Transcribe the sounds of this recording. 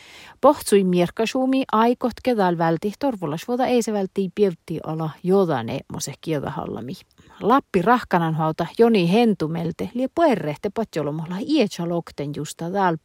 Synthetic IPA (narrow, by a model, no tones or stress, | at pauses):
poht̪suimierkɑʃuːmiʔɑikoht̪keðæːlʋælt̪iht̪orʋulɑʃʋoðɑeiseʋælt̪ːiːpiewt̪ːiʔɑ̰lɑjoðɑ̰nḛmːo̰sehkieðɑ̰hɑ̰lːɑ̰mi | lɑpːirɑhkɑnɑnhoɑut̪ɑjonihent̪umelt̪ehliepoerːeht̪epot̪ʲjolomohlɑhiet͡ʃɑlokt̪enjust̪ɑðɑːl